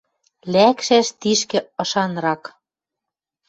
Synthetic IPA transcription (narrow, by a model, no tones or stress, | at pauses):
lækʃæʃt̪iʃkɘ̆ɤ̆ʃɑnɾɑk